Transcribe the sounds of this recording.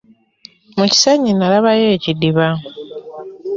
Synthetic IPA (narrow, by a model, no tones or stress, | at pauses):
muci̥saɲinalaβajeːcidiβa